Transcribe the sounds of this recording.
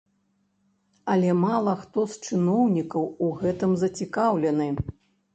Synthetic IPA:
ɐlʲɛmalˠɐxt̪ɔst͡ʂɨnɔwnʲikɐwuɣɛt̪ɨmzɐt͡sʲikawlʲɛnɨ

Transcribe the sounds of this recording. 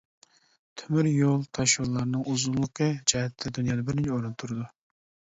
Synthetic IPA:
t̪ʰymyɾjolˠt̪ʰɑʃulˠːɑɾnɨŋuzunlˠəqʰəd͡ʒɑɛt̪ʰːɛd̪unjɑːd̪ɑbɪɾnɪt͡ʃʰɛoɾɨnt̪ʰuɾɨd̪u

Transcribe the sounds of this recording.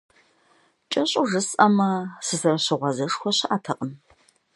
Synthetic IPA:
t͡ʃʼɐɕʼʊʐɨsʼɐmɐsɨsɐrɕɪʁʷɐzɐʂxʷɔɕɪʔaːtʰɐqʼən

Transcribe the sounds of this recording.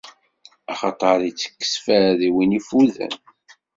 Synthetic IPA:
ɑχɑt̪ˤɑɾˤit͡sːə̥kːə̥sfæðiwinifuðə̰n

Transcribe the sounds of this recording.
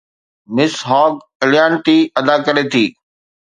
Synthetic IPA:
mɪsɦɔːɡ | ɪljaːɳʈiɐd̪akɐɾet̪ʰiː

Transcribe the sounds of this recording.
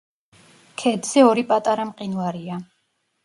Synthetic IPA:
kʰɛd̪z̥ɛɔɾipʼat̪ʼaɾamqʼinvaɾia

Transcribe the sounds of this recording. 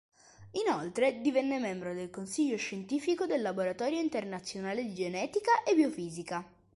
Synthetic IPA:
inolt̪ɾed̪ivɛnːemɛmbɾod̪elkonsiʎːoʃent̪iːfikod̪elːaboɾat̪ɔːɾjoint̪ernat̪sːjonaːled̪id͡ʒenɛːt̪ikaʔebiofiːzika

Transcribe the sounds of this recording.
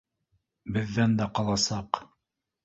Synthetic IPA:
bɘ̆ðːænd̪æqɑlˠɑsɑq

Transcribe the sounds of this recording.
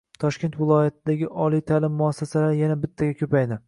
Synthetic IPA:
t̪ʰɒʃkʲe̞nt̪vɪlˠɒjat̪̚ʰɪd̪aɡʲɪʔɒlˠijt̪ʰalɪmːʊasːasalaɾjanabɪt̪ʰːaɡʲakʲʰɵpajd̪ɪ

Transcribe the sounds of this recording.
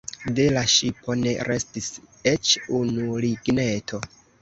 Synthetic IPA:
de̞laʃipo̞ne̞̰ɾe̞stis | et͡ʃunuliɡne̞tʰo̞

